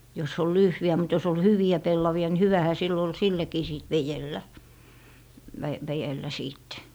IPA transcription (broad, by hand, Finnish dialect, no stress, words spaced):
jos ol lyhjæ mut jos ol hyʋiæ pelːɑʋiɑ ni hyʋæhæ silː ol sitækiː siˑt ʋejelːæ ʋæ ʋæjelːæ siːtːe